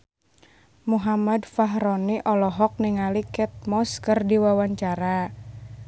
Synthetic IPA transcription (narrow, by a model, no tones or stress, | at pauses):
muɦamadfaɦɾɔniʔɔlɔɦɔk̚niŋalikɛt̪̚mɔskərdiwawaɲt͡ʃaɾa